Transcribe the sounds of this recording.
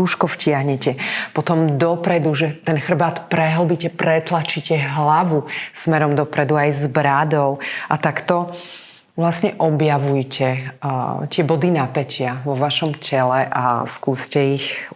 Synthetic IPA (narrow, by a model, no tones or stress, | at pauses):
uːʃkɔfcɪaɦɲɛcɛpɔt̪ɔmd̪ɔpɾɛd̪uʒɛt̪ɛnxr̩baːt̪pɾɛɦl̩bicɛpɾɛt̪lat͡ʃicɛɦlaʋusmɛɾɔmd̪ɔpɾɛd̪uajzbɾad̪ɔʊʔat̪akt̪ɔ | ʋlasɲɛʔɔbjaʋujcɛ | t̪ɪɛbɔd̪inapɛcɪaʋɔʋaʃɔmcʰɛlɛʔa̰skuːscɛix